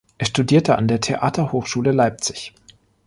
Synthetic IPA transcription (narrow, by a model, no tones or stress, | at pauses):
ʔɛːɐʃtudiːɐtəʔa̰ndeːɐtʰeʔaːtʰɐhoːxʃuːləlaɪp̚t͡sɪ̥ç